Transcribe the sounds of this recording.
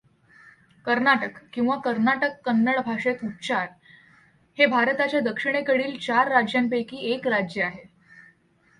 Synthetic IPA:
kəɾnaʈəkːĩw̃ʋakəɾnaʈəkːənːəɭbʱaʂet̪utt͡ɕaɾ | hebʱaɾt̪at͡ɕjad̪əkʂiɽ̃ekəɽiːlt͡ɕaɾːad͡ʑjampekiːekɾad͡ʑjəaɦe

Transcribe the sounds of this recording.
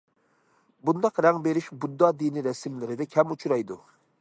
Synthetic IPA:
bund̪ɑqɾɛŋbeɾiʃbud̪ːɑːd̪iniɾɛsɪmlɪɾɪd̪ɛkʲʰɛmut͡ʃʰuɾɑjd̪u

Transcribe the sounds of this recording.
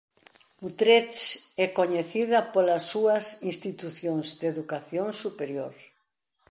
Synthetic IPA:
ut̪ɾet͡ʃɛkoɲeθiðɐpolɐsːuɐsĩnst̪it̪uθjoŋzd̪eðukaθjoŋsupeɾjoɾ

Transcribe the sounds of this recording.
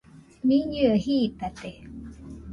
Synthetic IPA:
miɲɨəhiːt̪at̪e

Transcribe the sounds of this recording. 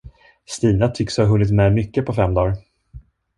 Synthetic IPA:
st̪iːnat̪ʰʏkshaɦɵnːɪt̪mɛmʏkːəpʰɔfɛmːd̪ɑːɾ

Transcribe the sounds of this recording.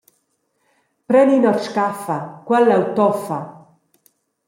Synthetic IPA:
pɾɛninɔrskafakwalːawt̪ɔfa

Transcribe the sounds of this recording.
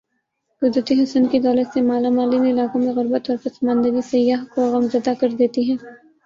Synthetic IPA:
ɡʊd̪ɾət̪iɦɐsənkid̪ɔːlət̪semaːlamaːlinɪlaːkõmẽɣʊɾbət̪ɔːɾpɐsɐmãːnd̪əɡisɐjːaːɦkoɣɐmzɐd̪akɐɾd̪eːt̪iɦɛ̃ː

